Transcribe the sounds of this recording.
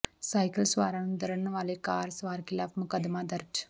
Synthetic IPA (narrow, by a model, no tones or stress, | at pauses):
sɐjkɐlsʋaːɾaɳumd̪ɐɾɐɳːɐʋaːleːkaːɾsʋaːɾkilaːfmukɐd̪ɐmaːd̪ɐɾʈ